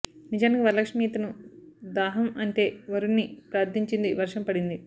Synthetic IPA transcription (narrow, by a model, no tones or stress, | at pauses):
nid͡ʒaːnikiʋɐɾlɐkʂmiːt̪ɐnud̪aːɦɐmɐɳʈe̞ːʋɐɾunːipɾɐɐɾd̪iɲt͡ʃind̪iʋɐɾʂɐmpɐɽind̪i